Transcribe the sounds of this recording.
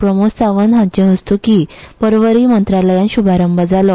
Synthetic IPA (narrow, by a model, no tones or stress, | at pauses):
pɾəmost͡saʋənɦãnt͡ɕẽɦəst̪ukipəɾʋəɾiːmənt̪ɾaləjãnɕubʱaɾəmbad͡zalɔ